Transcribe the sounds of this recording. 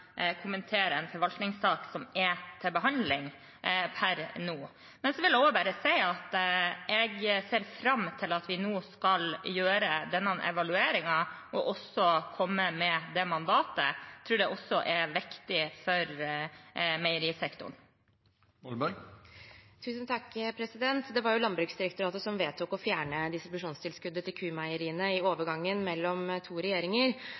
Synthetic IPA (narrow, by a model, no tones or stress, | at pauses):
kʰʊmənt̪ʰeːɾəɛnfɔɾʋɑlt̪nɪŋstɑːksɔmɛt̪ʰɪlbəɦɑnd̪lɪŋ | pʰæɾnuː | mɛnsɔʋɪlɛɔbæɾəsæɪɑt̪ɛɡseːɾfɾɑmːt̪ʰɪlɑt̪ʋɪnoːskɑljøːɾəd̪ɛnːɑnʔɛ̰ʋɑlʉeːɾɪŋɑ | ʔɔʔɔsɔkʰɔmːəmɛd̪ɛmɑnd̪ɑːt̪ə̰t̪ʰɾʉːɖɛʔɔsːɔʔɛɾʋɪkt̪ɪfɔɾ | mɛɪəɾiːsɛkt̪ʊ̰ɳ | t̪ʰʉːsənt̪ʰɑkːpʰɾɛsɪd̪ɛnt̪d̪ɛʋɑɾjʊlɑnbɾʉksd̪ɪɾɛkt̪ʊɾɑːt̪əsɔmʋeːt̪ʰuːkɔfjæːɳəd̪ɪst̪ɾɪbʉʂuːnst̪ɪlskʉd̪ːət̪ɪlkʰʉːmæɪəɾiːənəɪoːʋəɾɡɑŋːənmɛlːɔmt̪ʰuːɾɛjeːɾɪŋəɾ